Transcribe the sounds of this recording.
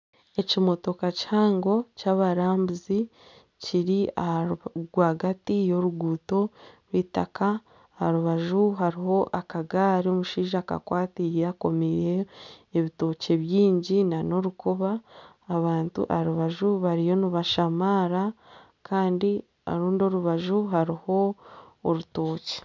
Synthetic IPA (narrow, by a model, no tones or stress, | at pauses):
e̞cimo̞to̞kachaːŋɡo̞caβaɾaːmbuzi | ciɾiahɡwaːɡatijo̞ɾuɡuːto̞ɾwitaka | haɾuβaʒuɦaɾiho̞ʔakaɡaːɾio̞muʃiːʒaːka̰kwaːtijeako̞mijeːβito̞ːce̞βjiːɲɟinano̞ɾukoβaː | βaːntṵʔa̰aɾuβaʒuβaɾijo̞niβaʃamaːɾa | kʰaːndi | a̰ɾuːndo̞ɾuβaʒuɦaɾiho̞ː | ɾuto̞ːce̥